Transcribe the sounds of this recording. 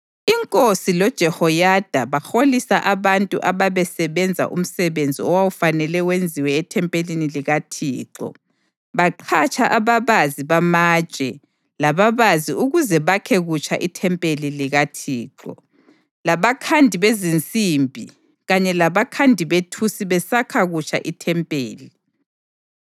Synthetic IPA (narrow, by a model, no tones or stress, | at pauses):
iŋkʼosilɔd̥ʒ̥ʱɛhɔjad̥ʱaβaxolisaʔaβantʼṵʔaβaβɛsɛβɛnd͡zʱa̰ʔṵm̩sɛβend͡zʱḭɔwawufanɛlɛwend͡zʱiwɛːtʰɛmpʼeliniliɣatʰiːǁɔ̰ | βaǃʰat͡ʃʼaʔaβaβaziβamḁʒ̥ʱʼɛ | laβaβaziʔuɣuzɛβakʰɛɣut͡ʃʰaʔitʰɛmpʼeliliɣatʰiːǁɔ̰ | laβakʰandʱiβezint͡sʼimbʱi | ɣaɲɛlaβakʰandʱiβetʰusiβɛsakʰaɣut͡ʃʰʼa̰ʔitʰɛmpʼeːli